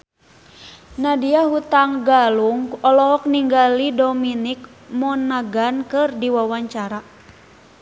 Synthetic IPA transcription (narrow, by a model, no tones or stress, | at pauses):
nadiaɦut̪aŋɡaluŋɔlɔɦɔk̚niŋɡalidominik̚ | mɔnːaɡankɨrdiwawaɲt͡ʃaɾa